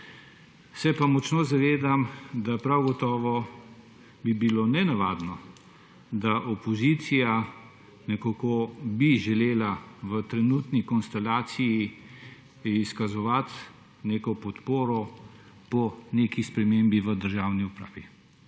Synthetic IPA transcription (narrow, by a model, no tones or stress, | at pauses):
sɛpamɔt͡ʃnoːzaʋeːd̪amd̪apɾawɡɔt̪ɔːʋɔ | bibilonɛnaʋaːd̪nɔ | d̪aʔɔpɔzit̪sija | nɛkakobiʒɛleːlaʋət̪ɾɛnuːt̪nikɔnst̪ɛlaːt̪siji | iskazɔʋat̪ | neːkɔpɔt̪poːɾɔ | pɔneːkispɾɛmeːmbiʋəd̪əɾʒaːwniupɾaːʋi